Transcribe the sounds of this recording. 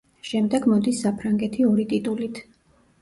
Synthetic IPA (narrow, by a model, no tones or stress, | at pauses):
ʃɛmd̪ɛɡmɔd̪isːapʰɾaŋɡɛt̪ʰiɔɾit̪ʼit̪ʼulit̪ʰ